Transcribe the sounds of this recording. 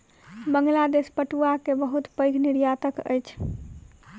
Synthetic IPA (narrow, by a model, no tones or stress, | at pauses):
bəŋɡlad̪espəʈuakebəɦut̪pəjɡʱniɾjat̪əkə̰jt͡ʃʰ